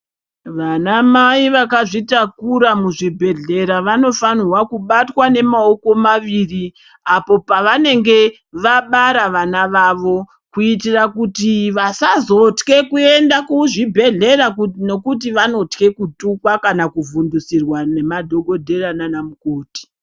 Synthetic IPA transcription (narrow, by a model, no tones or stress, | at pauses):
ʋanamaiʋakaʐitakuɾamuʐibʱe̞ɮe̞ɾaʋano̞fanwakuɓatwane̞mao̞ko̞maʋiri | apo̞paʋane̞ŋɡe̞ | ʋaɓaɾaʋanaʋaʋo̞ | kuitirakutiʋasazo̞tke̞kue̞ndakuʐibʱe̞ɮe̞ɾakno̞kut̬iʋano̞tke̞kutukwakanakuvundusirwane̞madʱo̞ɡʱo̞dʱe̞rananamukoːti̥